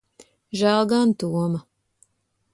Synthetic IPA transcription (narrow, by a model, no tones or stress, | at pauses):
ʒælˠɡant̪uɔma